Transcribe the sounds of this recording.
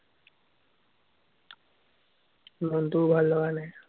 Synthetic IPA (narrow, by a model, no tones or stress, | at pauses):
nɔnt̪ubʱalːɔwanaj